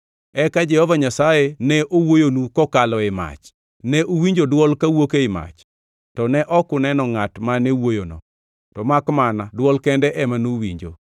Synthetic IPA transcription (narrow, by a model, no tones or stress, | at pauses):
ɛkad͡ʒɛhɔvaɲasajenɛʔowojonukɔkalɔɪma̰t͡ʃ | nɛʔowiɲd͡ʒodwɔlkawokeɪma̰t͡ʃ | tɔnɛʔɔkʊnɛnɔŋatmanɛwojonɔ̰ | tɔmakmanadwɔlkɛndɛʔɛmanuwḭɲd͡ʒo̰